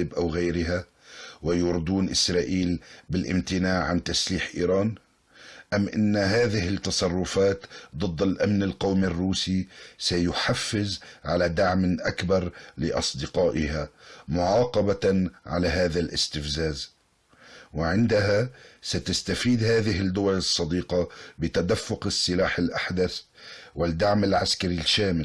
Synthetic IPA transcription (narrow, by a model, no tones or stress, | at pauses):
ɪbʔawɣajɾɪɦa | wɪjʊɾd̪uːnʔɪsɾˤɑːʔiːlbɪlʔɪ̰mt̪ɪnaːʕʕant̪asliːħʔḭːɾˤɑːn | ʔamːʔɪ̰nːhaːðɪhɪt̪ːɑsˤɑrˤːʊfaːt̪d̪ˤɨd̪ˤːalʔamnɪlqɑwmɪrːuːsisajʊħafːɪzʕalad̪aʕmʔakbɑɾˤlɪʔɑ̰sˤd̪ɪqɑːʔɪhamʊʕɑːqɑbaʕa̰laɦaːðalʔɪ̰st̪ɪfzaːz | wɪʕɪnd̪aɦasat̪ast̪afiːd̪haːðɪɦɪd̪ʊwalɨsˤːɑd̪iːqɑbɪt̪ad̪afːʊqɪsːɪlaːħɪlʔaħd̪aθ | wɪd̪ːaʕmɪlʕaskaɾilʃaːmɪl